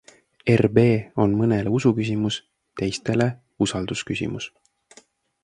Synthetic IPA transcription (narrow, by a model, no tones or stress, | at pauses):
erbe̞ːonmɤne̞le̞usukys̬ʲimus | t̪e̞jst̪e̞le̞ | usɑld̪uskysʲḭmus